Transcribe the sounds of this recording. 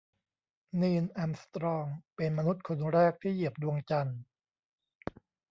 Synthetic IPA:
niː˧nʔa˧mst̪ɾɔː˧ŋpe˧nma˧nu˦˥t̪̚kʰo˧nɾɛː˥˩k̚t̪ʰiː˥˩ji˨˩əp̚du˧əŋt͡ɕa˧n

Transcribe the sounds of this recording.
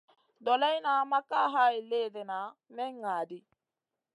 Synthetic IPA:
d̪ɔlɐ˦jnaː˨mɐ˦kːaː˦ɦaː˦jɪ˨lːeːd̪ɛ˨naː˨mɛ˦ŋːaː˨d̪ɪ˦

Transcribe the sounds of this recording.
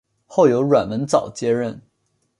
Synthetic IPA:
xo˥˩ʊjo˧˥ʊɻwa˨˩nwə˧˥nt͡sɑ˨˩ʊt͡ɕjɛ˥ɻə˥˩n

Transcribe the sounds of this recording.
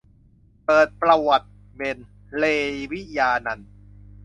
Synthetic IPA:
pɤː˨˩t̪̚pɾa˧wa˨˩t̪̚ | me˧n | leː˧wi˦˥jaː˧na˧n

